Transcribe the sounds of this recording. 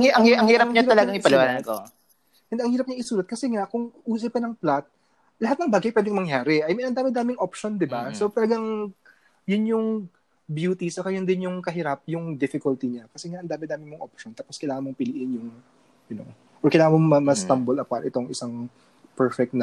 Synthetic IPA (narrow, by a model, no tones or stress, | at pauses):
ŋʔɐŋhiʔɐŋhiːɾɐp̚ɲaɐlɐɡaŋʔɪpɐlɪwaːnanko̰ | ʔɛnd̪eʔɐŋhiːɾɐp̚ɲɐŋʔɪsuːlɐt̪̚kɐsɛŋakʊŋʔuːsɐp̚kɐnɐŋplat̪̚ | lɐɦat̪̚nɐŋbaːɡɐjpwɛːd̪ɪŋmɐŋjaːɾɛʔɐjmɛʔɐnd̪aːmɪd̪aːmɪŋʔopʃo̞nd̪ɪbasot̪ɐlɐɡaŋ | jʊnjʊŋ | bjuːt̪isɐkɐjond̪ɪnjʊŋkɐɦɪɾap̚jʊŋd̪ɪfɪkʊlt̪ɪɲakɐsɛŋaʔɐnd̪aːmɪd̪aːmɪnmoŋʔop̚ʃont̪aːposkɐjlaːŋɐnmoŋpɪlɪʔɪnjʊŋ | ʔɐno̞̰ | ʔɔkɐjlaːŋɐmoŋmɐmɐst̪ɐmbolɐpanʔɪt̪o̞ŋʔɪsaŋ | pɛɹfɛk̚t̪nɐ